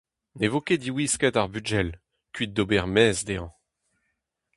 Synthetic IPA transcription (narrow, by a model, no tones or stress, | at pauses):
nevɔked̪iwiskɛt̪aʁbyʒɛl | kʲɥit̪̚d̪obɛʁmɛzd̪eɑ̃